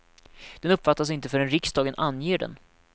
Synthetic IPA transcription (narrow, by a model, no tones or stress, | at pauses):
d̪̥ɛnɵpːfat̪ːas̬ɪnt̪əfœɖɛnɾɪksd̪ɑːɡənʔanːjeːɖɛ̰n